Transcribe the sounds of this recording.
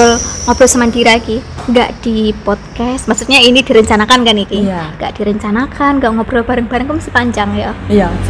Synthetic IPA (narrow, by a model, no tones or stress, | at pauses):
ʊlŋɔb̥ɾɔsəmandiɾakiŋɡa̰ʔd̥ipɔd̪̚kɛsmaksut̪̚ɲainid̥iɾəɲt͡ʃanakankanik̪iŋɡa̰ʔd̥iɾəɲt͡ʃanakʰanŋɡaʔŋɔb̥ɾɔb̥a̤ɾəŋb̥a̤ɾəŋkumasipaɲd͡ʒaŋja